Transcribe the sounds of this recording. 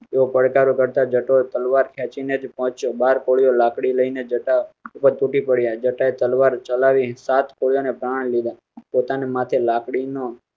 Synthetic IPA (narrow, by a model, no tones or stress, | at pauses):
eopəɽkaɾokəɾt̪ad͡ʒəʈot̪əlʋaɾkʰjat͡ʃined͡ʒpɔɦt͡ʃobaɾkoɭijolakɽiləined͡ʒəʈaupəɾt̪uʈipəɽjad͡ʒəʈaet̪əlʋaɾt͡ʃəlaʋisat̪koɽijonepɾaɳ̃lid̪a | pot̪anemat̪ʰelakɽino